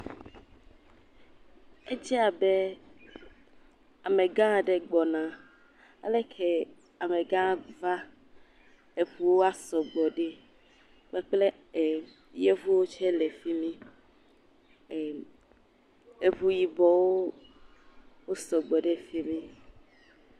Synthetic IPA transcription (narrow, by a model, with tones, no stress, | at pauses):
e˦d͡ʒi˦a˨be˦ | a˨mẽ˨ɡã˦˨ɖe˦ɡ͡bɔ˨nã˨ | a̰˨le˦kʰɛ˦ | a˨mẽ˨ɡã˦va˦ | e˨ɸu˦wo˦a˦sɔ˨ɡ͡bɔ˨ɖe˦ | k͡pɛ˦k͡ple˦˨ | je˦vu˦wo˦t͡ʃɛ˦le˨fi˦mĩ˦˨ | e˨vu˦ji˦bɔ˦˨wo˦ | wo˦sɔ˨ɡ͡bɔ˨ɖe˦fi˦mĩ˦